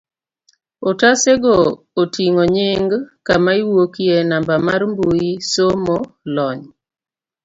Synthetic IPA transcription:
otaseɡoː | tiŋoɲɪŋɡkamaiwokienambamarmbuisomolɔɲ

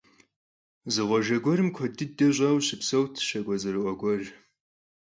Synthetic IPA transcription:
zɨʁʷɔʒɐɡʷɔrɨmkʷʰɔdɨdɐʑʷʼɐwɕɪpsɐwtʰʃɐɡʷɔzɨɾɨʔʷɔɡʷɔr

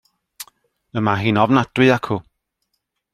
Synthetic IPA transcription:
əmaɦiːnɔvnad̥wɨakʰu

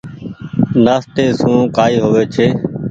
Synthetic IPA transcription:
naːst̪eːsũːkaːiːɦoːʋeːt͡ʃʰeː

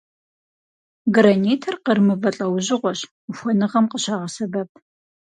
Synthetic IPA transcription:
ɡɨɾɐneːtʰɐrqərmɨvɐɬʼɐwʑɪʁʷɔɕ | xʷɔnɨʁɐmqəɕaːʁɐsɐbɐp̚ʰ

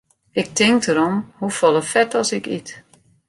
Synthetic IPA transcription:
ɪk̚tʰɪŋk̚təɾɔmhufɔlˠəfɛtɔsɪkḭt

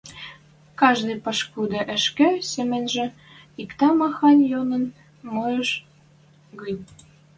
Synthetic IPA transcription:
kɑʒd̪ɤjpɤʃkud̪ɤ̆ʔə̆ʃkĕsemĕnʒĕ | ikt̪ɑmɑxɑnʲjonə̆n | mojəʃ | ɣənʲ

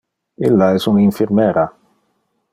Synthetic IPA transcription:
ɪlːaɛsuniɱfiɾmɛːɾa

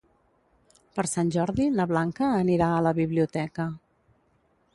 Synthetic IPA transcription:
pəɾsanʲʒɔɾðiləβlaŋkəːniɾaələβiβliut̪ɛkə

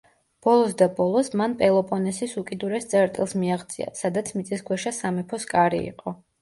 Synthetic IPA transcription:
b̥ɔlˠɔsd̪abɔlˠɔsmanpʼɛlˠɔpʼɔnɛsisukʼid̪uɾɛst̪sʼɛɾt̪ʼilˠsmiaʁd̪zʼḭa̰sad̪at̪sʰmit̪sʼiskʰwɛʃasamɛpʰɔskʼaɾḭḭqʼɔ

